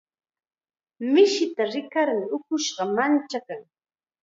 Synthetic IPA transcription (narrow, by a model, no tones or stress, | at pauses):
mɪʃɪt̪aɾɪkaɾmɪʊkʊʃɢɑmant͡ʃakaŋ